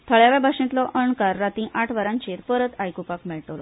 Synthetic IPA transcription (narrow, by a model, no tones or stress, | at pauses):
t̪ʰəɭjaʋjabʱaʂĩt̪lɔʔəɳkaɾːat̪ĩʔaʈʰʋaɾãɲt͡ɕeɾpəɾət̪ajkupakmeɭʈolɔ̰